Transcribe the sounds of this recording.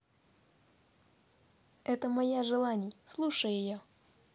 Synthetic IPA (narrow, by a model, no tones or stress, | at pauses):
ɛt̪əmɐjaʐɨlˠanʲɪjslˠuʂəjɪjo